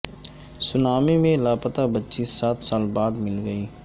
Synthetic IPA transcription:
sʊnaːmemẽlaːpət̪abətːʃisaːt̪saːlbaːd̪mɪlɡəiː

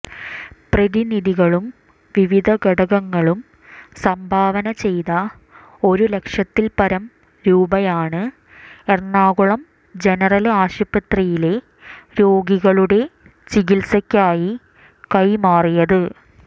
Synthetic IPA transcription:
prɐðiniðiɣɐɭum | ʋiʋid̪ʱɐɡɐɽɐɣɐŋːɐɭum | sɐmbʱaːʋɐnɐt͡ɕe̞jðɐ | o̞ɾule̞kʂjɐt̪ːilpɐɾɐm | ɾuːbɐjaːɳɨ | ernːaːɣuɭɐm | d͡ʑe̞nɐrɐlaːɕubɐt̪rijile̞ | ɾo̞ːɡiɣɐɭuɽe̞ | t͡ɕiɣilsɐkʲːaːji | kɐjmaːrijɐðɨ

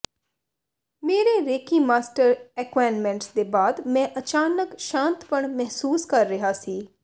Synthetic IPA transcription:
meːɾeɾeːkiːmaːsʈəɾɛkwaːnmɛ̃ːɳʈsd̪eːbaːd̪mɛ̃ːʔət͡ʃaːnəkʃãːnt̪pəɳmɛɦsuːskəɾːɪɦasiː

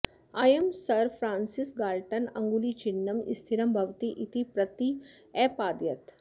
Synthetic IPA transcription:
aːjemsɐɾfʰɾãːnsɪsɡaːlʈənɐ̰̃ŋɡulit͡ʃɪnːɐmḭst̪ʰiɾɐmbʱɐʋt̪iʔit̪ipɾɐt̪i | ɛːpaːd̪jɐt̪

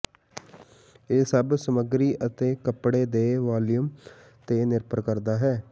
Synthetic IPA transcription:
eːsəbsəməɡɾiːʔət̪eːkəpɽeːd̪eːʋaːljum | t̪eːnɪɾpəɾkəɾd̪aːɦɛː

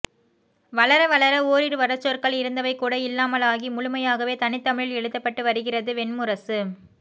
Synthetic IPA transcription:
ʋɐɭɐɾɐʋɐɭɐɾɐoːɾɪɾɯʋɐɾɐt͡ʃːoːɾkɐɭɪɾɯnd̪ɐʋɐɪkːuːɽɐɪlːaːmɐlaːɣimʊɻʊmɐjaːɣɐʋeːt̪ɐnɪt̪ːɐmɪɻɪlɛɻɯt̪ːɐpːɐʈːɯʋɐɾɯɣɪrɐðɯʋɛnmʊɾɐsɯ

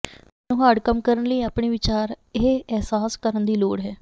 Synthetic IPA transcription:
nũːɦaːɽkəmkəɾənləiːaːpɳiːʋɪt͡ʃaːɾ | eɦeɛɦsaːskəɾənd̪iːloːɽɦɛː

